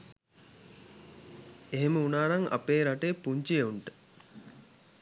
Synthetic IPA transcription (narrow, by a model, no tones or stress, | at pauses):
eɦeməunaːnaŋa̰peːɾaʈeːpuɲt͡ʃijeuɳʈə̥